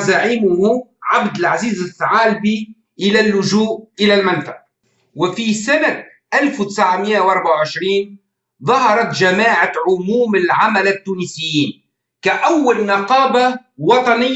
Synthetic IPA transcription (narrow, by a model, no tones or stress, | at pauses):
zaʕiːmʊhʊʕabd̪ɪlʕaziːzɪθːaʕaːlbiː | ʔɪlalːʊʒuːʔʔɪlalmɪnfaʕ | wɪfisana | ʔalfwt̪ɪ̥sʕamɪjːawʔɑɾˤbaʕawʕɪʃɾiːn | ðˤɑɦɑɾˤɑt̪ʒamaːʕaʕʊmuːmɪlʕamalɪt̪ːuːnisɪjːiːn | kaʔawːalnɑqɑːbawɑt̪ˤɑnɪː